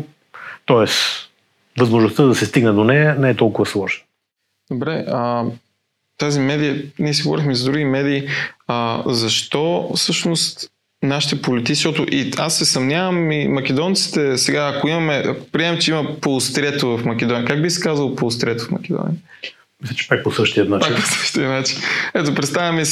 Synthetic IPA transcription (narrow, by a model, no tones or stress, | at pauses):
t̪ɔɛs | vɐzmoʒnoʊst̪əd̪ɐsɛst̪iɡnɛd̪onɛjənɛɛt̪ɔlˠkʊvɐslˠɔʒnə | d̪̥obɾɛə | t̪azimɛd̪ijəniɛsiɡovɔ̰ɾixmɛzɐd̪ɾuɡimɛd̪iːəzɐʃt̪ɔfsɤʃnost̪ | naʃi̥t̪ɛpolit̪it̪iʃɔt̪ʊʔiasːɛsɐvnʲavɐmimɐk̟ɛd̪ɔnt̪si̥t̪ɛsɛɡaːkoimɐmɛʔɐ̰kopɾiɛmɛmt͡ʃɛimɐpolˠost̪ɾʲɛt̪ovɐfmɐk̟ɛd̪ɔnijəkaɡbisi̥kazɐlˠpolˠost̪ɾʲɛt̪ofmɐ̰k̟ɛd̪ɔ̰nʲḭə | mislʲət͡ʃɛ̥pak̚posəʃt̪iət̪nat͡ʃpak̪po̥sə̥ʃt̪iət̪nat͡ʃi̥nɛt̪opɾɛt̪st̪avʲjɐmɛ